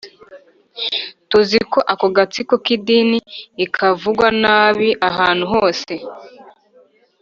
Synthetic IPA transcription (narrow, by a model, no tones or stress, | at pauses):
tuziko̞ʔakoɡat͡sikokidiniːkʰavuɡwanaːβiʔaɦaːn̥huɦo̞ːse̞